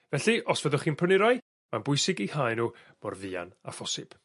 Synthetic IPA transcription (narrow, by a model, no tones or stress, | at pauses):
vɛɬiʔɔsvəðɔχiːnpʰənɪɾɔj | manbʊɨsɪɡihajnuː | mɔrðɪa̰na̰fɔsɪ̰b̥